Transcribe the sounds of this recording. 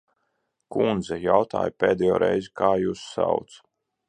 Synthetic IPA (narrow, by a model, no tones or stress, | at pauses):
kund̪zɛjawt̪a̰ːjpʲeːd̪ɛjoːɾɛ̰jzkaːjusːa̰wt̪s